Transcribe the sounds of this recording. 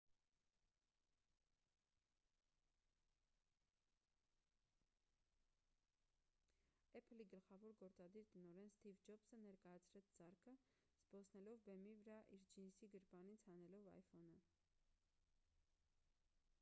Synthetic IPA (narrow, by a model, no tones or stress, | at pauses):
ɛpʰəliɡəlχɑvɔɾɡɔɾt͡sɑd̪iɾt̪ənɔɾɛnst̪ivd͡ʒɔpsənɛɾkɑjɑt͡sʰɾɛt͡sʰd͡zɑɾkʰə | z̥bɔsʰnɛlɔvbɛmivəɾɑʔiɾd͡ʒinsiɡəɾpɑnit͡sʰhɑnɛlɔvɑ̰jfɔnə